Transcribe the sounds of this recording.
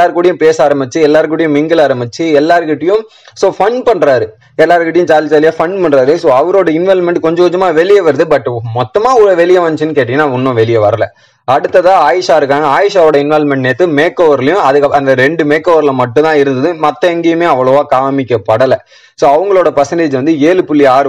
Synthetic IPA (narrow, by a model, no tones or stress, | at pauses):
lːaːɾɯkːuːɽɪjʊ̃peːsaːɾɐmbɪt͡ʃːiɛlːaːɾɯk̬ːuːɽɪjʊ̃mɪŋɡɯlaːɾɐmbɪt͡ʃːɯɛlːaːɾɯkɪʈːɐjʊ̃ | soːfɐɳpɐɳːɾaːɾɯ | ɛlːaːɾɯkɪʈːɐjʊ̃t͡ʃaːlɪt͡ʃaːlɪjaːfɐɳɖpɐɳɾaːɾɯsoːɐʋɐɾoːɽɐɪnʋɛlmɛɳʈkɔɲd͡ʒɐkɔɲd͡ʒɐmaːʋɛlɪjɐʋɐɾɐðɯbɐʈːmɔt̪ːɐmaːɔɾɐʋɛlɪjɐʋɐnːt͡ʃːɯnːɯkeːʈːɪ̃ŋɡɐnːaːʊnːʊ̃ʋɛlɪjɐʋɐɾɐlɐ̰ | ɐɽɯt̪ːɐðãːaːjɪʂaːɪɾɯkːaːŋɡɐaːjɪʂaːʋoːɽɐɪnʋɛlmɛɳʈneːt̪ːɯmeːkːoːʋɐɾlɐjʊ̃ɐðɯkːɐɐnd̪ɐɾɛɳɖɯmeːkːoːʋɐɾlɐmɐʈːʊ̃t̪ãːɪɾɯnd̪ɐðɯmɐt̪ːɐɛŋɡejɯmeːɐʋːɐɭɐʋaːkaːmɪkʲːɐpɐɽɐlɐ | soːɐʋɐŋɡɐɭoːɽɐpɐsɛɳɖeːd͡ʒʋɐnd̪ɯeːlɯpʊlːiaːɾ